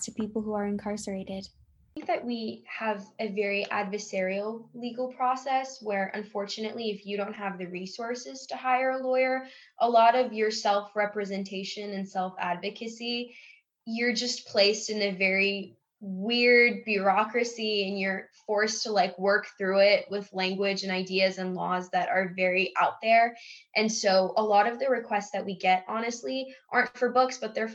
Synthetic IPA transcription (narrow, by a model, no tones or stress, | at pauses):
tʰɨpipl̩ˠhuə˞ɨ̃nkʰɑɹsə˞eɪɾɪd̥ | ɪ̃ŋk̚ðɨʔ̚wiəvɨvɛɹiʔæ̰dvə˞sɛɹil̩ˠliɡl̩ˠpʰɹ̥ɔsɛswə˞ʔɨ̰̃ɱfɔɹt͡ʃɨnɨʔˡliɨfjɨɾõʊ̃nt̚ɦəvðɨɹisɔɹsɨz̥tʰɨhaɪə˞əlɔɪə˞ʔəlɔɾʌvjə˞sɛlˠfɹɛpɹɨzɨ̃ntʰeɪʃɨ̃nɨ̃nsɛlˠfæ̰dvɨkʰɨsi | jə˞d͡ʒʌspʰl̥eɪstɨ̃nɨvɛɹi | wɪɹd̚bjɑkɹɨsiɨ̃njə˞fɔɹstʰəlaɪkwɜ˞kθɹʉɪt̚wɪðlæ̃ŋɡwɪd͡ʒɨ̃naɪdiɨzɨ̃nlɔzðɨɾə˞vɛɹiʔa̰ʊt̪̚ðə˞ʔɨ̃nsoʊʔəlɔɾʌvðɨɹɨkʰw̥ɛstsðɨt̚wiɡɛɾɑñɨstˡliʔɑɹntfə˞bʊksb̥ʌt̪̚ðə˞